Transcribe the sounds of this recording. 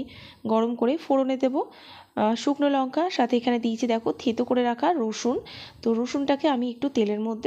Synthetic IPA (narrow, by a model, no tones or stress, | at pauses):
ɡɔɽomkoɾefoɽoned̪ebo | ʃukʰnolɔŋkʰaʃat̪ʰeekʰaned̪ijt͡ɕʰid̪ɛkʰot̪ʰet̪okoɾeɾakʰaɾoʃunt̪oɾoʃunʈakeamiek̚ʈut̪eleɾmod̪ʱːe